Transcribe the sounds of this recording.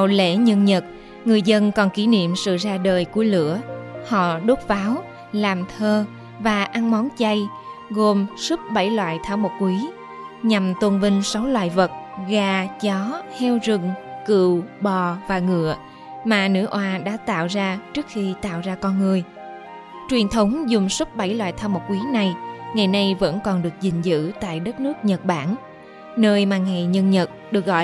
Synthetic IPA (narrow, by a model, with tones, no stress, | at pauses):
wlḛ˧˥ɲə˧nɲə˨˩t̚ | ŋɨ˨˩əjzə˧nkɔ˨˩nki˧˩nḭ˧˨əmsɨ̰˧˨zaː˧ɗəː˨˩jku˧˩əlɨ̰˧˥əhɔ̰˧˨ɗo˦˥t̚faː˨˦w | laː˨˩mt̪ʰəː˧ | vaː˨˩ʔa˧ŋmɔ˨˦nt͡ɕa˧j | ɣo˨˩msu˦˥p̚ɓə˧˩jlwa̰ː˧˨jt̪ʰaː˧˩wmo˨˩t̚kwi˨˦ | ɲa˨˩mt̪wə˧nvï˧ŋ̟sa˨˦wlwa̰ː˧˨jvə˨˩t̚ɣaː˨˩t͡ɕɔ˨˦hɛ˧wzɨ˨˩ŋkɨ̰˧˨wɓɔ˨˩vaː˨˩ŋɨ̰˧˨ə | maː˨˩nɨ̰˧˥ʔwaː˧ɗa̰ː˧˥t̪a̰ː˧˨wzaː˧t͡ɕɨ˦˥ək̚xi˧t̪a̰ː˧˨wzaː˧kɔ˧nŋɨ˨˩əj | t͡ɕwi˨˩ənt̪ʰə˨˦wŋ͡mzʊ˨˩ŋ͡msu˦˥p̚ɓa˧˩jlwa̰ː˧˨jt̪ʰaː˧wmo˨˩t̚kwi˨˦na˨˩jŋa˨˩jna˧jvə̰˧˥nkɔ˨˩nɗɨ˨˩ək̚zï˨˩ŋ̟zɨ̰˧˥t̪a̰ː˧˨jɗə˦˥t̚nɨ˦˥ək̚ɲə˨˩t̚ɓaː˧˩n | nəː˧jmaː˨˩ŋa˨˩jɲə˧nɲə˨˩t̚ɗɨ˨˩ək̚ɣɔ̰˧˨